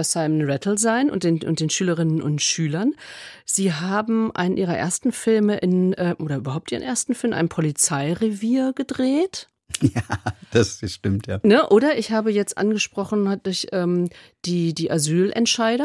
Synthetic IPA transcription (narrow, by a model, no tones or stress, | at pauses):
asaɪmənʁɛtʰl̩zaɪnʔʊ̰ntd̥eːnʔʊ̰nt̚d̥eːnʃyːləʁɪnənʔʊ̰ntʃyːlɐnz̥iːɦaːbm̩ʔa̰ɪnənʔiːʁɐʔḛːɐstn̩fɪlməʔɪnʔɛːʔoːɾɐʔyːbɐhaʊp̚tʔiːʁənʔeːɐstn̩fɪlmʔa̰ɪnpʰɔlit͡saɪʁeviːɐɡədʁeːt | jaːd̥asʃtɪmtʰjaːnəʔoːɾɐʔɪçhaːbəjɛt͡stʔa̰nɡəʃpʁ̥ɔχn̩had̥ʊɐçʔɛːmd̥iːdiːʔazyːlʔɛ̰ntʃaɪɾɐ